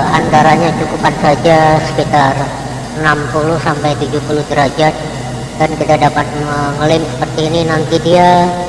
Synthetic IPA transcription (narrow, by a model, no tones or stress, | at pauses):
ant̪aɾaɲat͡ʃukupansad͡ʒasə̥kit̪ar | ənampuluhsampajt̪ud͡ʒupuluhd͡ʒəɾad͡ʒat̪̚ | dankədadapat̪̚məŋəlɪmsə̥pərt̪iːninant̪idia